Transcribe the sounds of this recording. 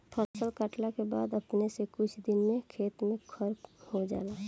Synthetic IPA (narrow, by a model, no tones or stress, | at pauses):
p̪ʰəɾsəlkaʈlakeba̰ːd̪əpnesekʊt͡ʃʰd̪ɪnmẽkʰeːt̪mẽkʰəɾhod͡ʒa̰ːlaː